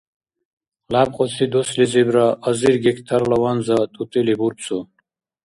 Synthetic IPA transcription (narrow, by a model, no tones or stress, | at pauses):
lab̚qʼɔt͡sʰid̪uslizibɾaʔəziɾɡɛkʰt̪ʰaɾlawanzat̪ʼut̪ʼilibuɾt͡sʰʼu